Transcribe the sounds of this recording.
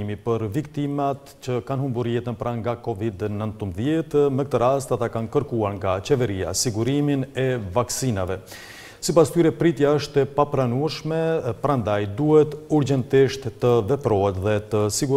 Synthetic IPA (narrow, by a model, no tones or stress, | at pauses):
imipəɾvikt̪imat̪t͡ɕəkanhumbuɾjɛt̪ənpɾaŋɡakɔvid̪nənt̪əmbðjɛt̪mɛkət̪əɾast̪at̪akankəɾkuaɾŋɡat͡ɕɛvɛɾia̰siɡuɾiminɛvaksinavɛ | sipast̪yɾɛpɾit̪jaəʃt̪ɛpapɾanuɛʃmɛpəɾand̪ajd̪uhɛt̪uɾd͡ʑɛnt̪iʃt̪t̪əvɛpɾɔɛt̪ðɛt̪əsiɡu